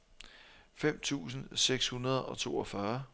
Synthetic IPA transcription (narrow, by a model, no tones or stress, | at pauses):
fem̰t͡sʰṵːsn̩seɡ̥shunɐð̞ˠɒ̽t͡sʰo̝ːɒ̽fɶɐ